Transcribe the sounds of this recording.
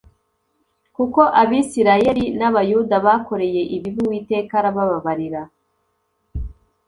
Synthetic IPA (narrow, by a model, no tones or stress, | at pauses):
kuko̞ʔaβiːsiɾaje̞ɾinaβajudaβako̞ɾe̞je̞ʔiβivuwiːte̞ːkaɾaβaβaβaɾiɾa